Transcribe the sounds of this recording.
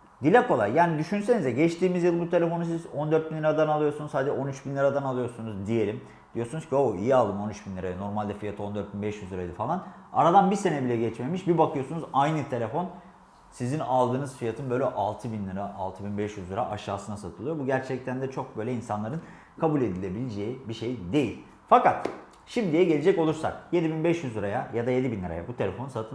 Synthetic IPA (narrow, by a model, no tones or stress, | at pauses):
d̪ilʲɛko̞lˠaɾjaːnid̪yʃynse̞nizd̪ɛɟɛt͡ʃt̪ʰiːmizjɯlˠbut̪ʰelʲe̞fo̞nus̬izo̞nd̪øɾt̪̚binlˠɯɾad̪analˠɯjo̞ɾsunuz̥had̪ɛd͡ʒɛo̞nyt͡ʃbinlʲˠiɾad̪analˠɯjoɾsunuzd̪ije̞lʲim | d̪̥ijo̞sunuz̥cʰioḭjialˠd̪ɯmo̞nyt͡ʃbinlʲiɾaj̪no̞ɾmalʲd̪ɛfijat̪ʰɯo̞nd̪øɾt̪̚binbɛʃjyzlˠɯɾajd̪ɯfalˠana̰ɾad̪anbise̞nɛbilʲɛɟɛt͡ʃme̞miʃbibakʰɯjo̞sunuzajnɯt̪ʰe̞lʲe̞fo̞n | sizinalˠd̪ɯːnɯzfijat̪ʰɯnbø̞jlʲɛʔalˠt̪ʰɯbinlˠɯɾaʔalˠt̪ʰɯbinbɛʃjyzlˠɯɾa̰ʔaʃaːsɯnasat̪ʰɯlˠɯjo̞buɟæɾt͡ʃʰɛc̚t̪ʰænd̪ɛt͡ʃʰo̞k̚bø̞jlʲɛinsanlˠaɾɯn | kʰabulʲe̞d̪ilʲebilʲid͡ʒeːibiʃe̞jid̪e̞jilʲ | fakat̪ | ʃimd̪ijɛɟelʲed͡ʒɛco̞lˠuɾsa̰k̚je̞d̪ibinbɛʃjyzlˠɯɾajajad̪aje̞d̪ibinlʲˠɯɾajabut̪ʰe̞lʲe̞fo̞nusat̪ʰɯn